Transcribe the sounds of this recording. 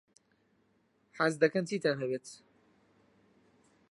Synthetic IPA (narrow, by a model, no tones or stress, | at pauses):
ħazd̪ɐkɐnt̪ʰiːt̪anɦɛbeːt̪